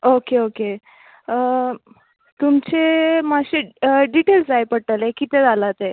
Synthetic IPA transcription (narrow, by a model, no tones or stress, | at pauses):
okeoke | t̪umt͡ɕemaɕeɖiʈeld͡zajpəɽʈ̪əlekit̪ed͡zalat̪e